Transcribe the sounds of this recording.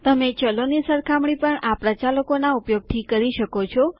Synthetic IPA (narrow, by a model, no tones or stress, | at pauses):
t̪əmet͡ʃəlonisəɾkʰamɳipəɳapɾət͡ʃaləkonaupjoɡ̚t̪ʰikəɾiʃəkot͡ʃʰɔ